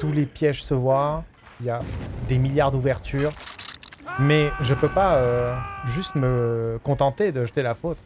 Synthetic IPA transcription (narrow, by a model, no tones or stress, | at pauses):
t̪ulepjɛʒsəvwa | iljad̪emiljaʁd̪uvɛʁt̪yːʁ | mɛʒəpøpaøʒyst̪məkɔ̃t̪ɑ̃t̪ed̪əʒət̪elafot̪